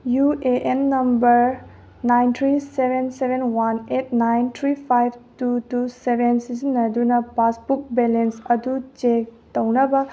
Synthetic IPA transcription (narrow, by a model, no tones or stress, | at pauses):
jueʔenːɐmbɐɾ | najnt̪ʰɾisebʱensebʱenwanet̚najntʰɾipʰajb̚ʱtutusebensizinːɐdunɐpasbuk̚belensɐdut͡ʃek̚tɐwnɐbɐ